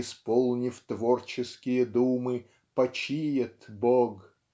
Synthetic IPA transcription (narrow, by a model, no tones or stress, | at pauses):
ɪspolˠnʲɪft̪vort͡ɕɪskʲɪjəd̪umɨ | pɐt͡ɕijɪt̪boɡ